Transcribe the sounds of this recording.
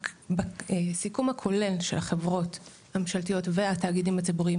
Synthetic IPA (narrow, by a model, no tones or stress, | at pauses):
bsikumhakʰo̞le̞lʃe̞̰lhaχe̞vʁo̞t | hamemʃaltijo̞tve̞ataːɡidimhat͡sibuʁiim